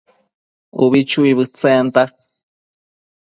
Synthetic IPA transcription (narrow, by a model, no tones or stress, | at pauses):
uβit͡ʃuiβɨt͡sajant̪a